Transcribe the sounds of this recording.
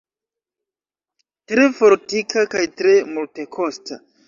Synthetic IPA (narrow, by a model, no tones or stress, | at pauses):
tɾe̞fo̞ɾtikakajtɾe̞multe̞kʰo̞sta